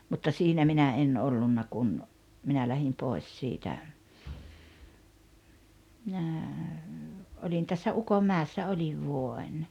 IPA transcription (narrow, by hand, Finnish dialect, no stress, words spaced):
mutːɑ siːnæ minæ en olːunːɑ kun minæ læhim poˑes siːtæ minæ olʲin tæsːæ ukomːæːeˑsːɑ olʲiʋ ʋuoen